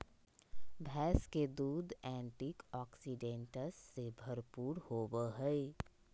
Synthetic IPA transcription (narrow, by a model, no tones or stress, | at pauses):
bʱɛːsked̪uːd̪ɛ̃ːɳʈiːkɔːksiɖẽːɳʈəlsːebʱɐɾpuːɾhoːwəɦɛe